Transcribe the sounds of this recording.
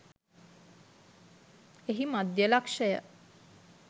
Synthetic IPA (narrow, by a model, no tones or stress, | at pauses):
eɦimad̪jəlakʂəjə̰